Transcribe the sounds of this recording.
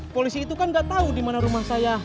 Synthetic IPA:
polisiːt̪ukanɡaʔt̪audimanaɾumahsaja

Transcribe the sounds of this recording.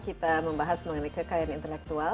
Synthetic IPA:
kit̪amə̃mbaɦasməŋənakakajanint̪əlɛk̚t̪ual

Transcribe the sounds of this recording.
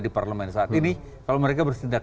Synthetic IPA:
diparləmɛnsaːt̪ini | kalowməɾekabərsindak

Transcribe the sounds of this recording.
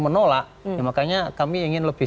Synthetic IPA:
mənolaʔ | jamakaɲakamiːŋɪnləb̥ɪ

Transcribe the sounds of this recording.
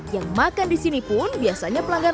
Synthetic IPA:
jaŋmakandisinipʊnbiasaɲapəlaŋɡaɾ

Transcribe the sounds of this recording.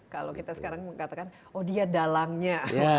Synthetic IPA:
kalokit̪asə̥kaɾaŋməŋat̪akan | odiadalaŋɲaa

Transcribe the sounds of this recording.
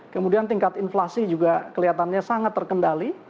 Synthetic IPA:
kəmudiant̪iŋkat̪inflasid͡ʒuɡakəliat̪anɲasaŋat̪ːərkəndali

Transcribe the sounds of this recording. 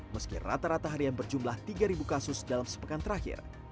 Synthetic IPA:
məskḭra̰t̪aɾat̪aɦaɾianbərd͡ʒumlaht̪iɡaɾibukasʊsdalamsə̥pəkant̪əɾahɪ̰r

